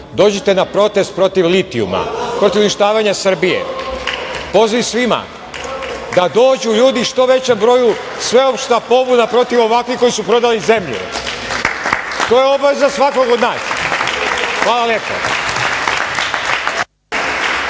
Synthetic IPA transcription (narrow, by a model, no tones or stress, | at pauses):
d̪o̞ːd͡ʑet̪e̞napɾo̞t̪e̞st̪̚pɾo̞t̪iʋlit̪iṵma̰pɾo̞t̪iʋuniʃt̪aːʋaɲasr̩bijḛ | po̞ziʋisʋima̰ | d̪ad̪o̞ːd͡ʑuʎuːd̪iʃt̪o̞ʋe̞t͡ɕe̞mbɾo̞ju | sʋe̞o̞pʃt̪apo̞bunapɾo̞t̪iʋo̞ʋakʋixko̞jisupɾo̞d̪alize̞mʎṵ | t̪o̞jeo̞baʋezasʋakoɡod̪naːs | xʋaːlalje̞po̰